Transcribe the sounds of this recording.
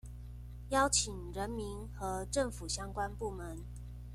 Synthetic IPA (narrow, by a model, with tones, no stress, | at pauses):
jɑ˥ʊt͡ɕʰi˨˩ŋɻə˧˦nmi˧˦˥nxɤ˧˥˦ʈ͡ʂə˥˩ŋfu˨˩ɕjɑ˥ŋkwa˦npu˥˩mə˨˦n